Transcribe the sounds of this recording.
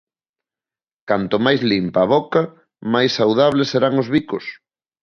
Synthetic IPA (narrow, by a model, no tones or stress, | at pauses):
kant̪ʊmajzlimpaːβɔkɐ | majsːawð̞aβ̞leseɾaŋozβikʊs